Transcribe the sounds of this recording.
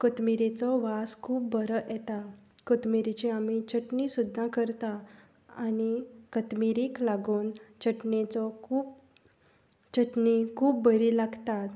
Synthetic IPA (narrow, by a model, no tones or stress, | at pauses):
kət̪miɾet͡sɔʋaskʰuːp̚bəɾəʔɛt̪a | kət̪miɾit͡ɕiamit͡ɕəʈnisud̪ʱːãkəɾt̪a | anikət̪miɾiklaɡuːnt͡ɕəʈnẽt͡sɔkʰuːp̚ | t͡ɕəʈnikʰuːp̚bəɾilaɡt̪at̪